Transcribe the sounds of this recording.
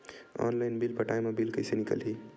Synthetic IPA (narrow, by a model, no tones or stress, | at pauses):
ɔ̰nlaɪnbilpəʈajmebilkəɪsenikə̰lɦi